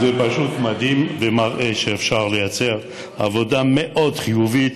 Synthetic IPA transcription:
zepaʃut̪mad̪imvemaʁʔeʃeːfʃaʁlejat͡se̞ʁ | a̰vo̞d̪ameʔod̪χijuvit̪

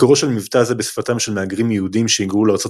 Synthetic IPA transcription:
koʁoʃelmivt̪azebesfat̪amʃelmeaɡʁimjehudimʃeiɡʁuleaːʁt͡so̞

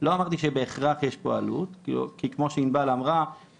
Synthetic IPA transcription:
lo̞amaʁt̪iʃebe̞ːχʁaχjeʃpoa̰lut̪kḭlṵkikmo̞ʃeinbalamʁa

